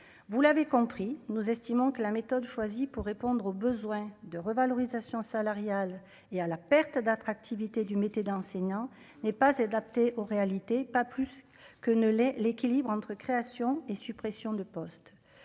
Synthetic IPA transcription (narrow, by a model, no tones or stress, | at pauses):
vulavekɔ̃pχinuzɛst̪imɔ̃kəlamet̪ɔd̪ʃwazipuʁːepɔ̃d̪ʁobəzwɛ̃d̪əʁəvalɔʁizasjɔ̃salaʁjal | ealapɛʁt̪d̪at̪χak̚t̪ʰivit̪ed̪ymet̪ed̪ɑ̃sɛɲɑ̃ | nɛpazad̪ap̚t̪eʔoʁealit̪epaplys | kənəlɛlekʲilibʁɑ̃t̪χəkχeasjɔ̃esypχesjɔ̃d̪əpɔst̪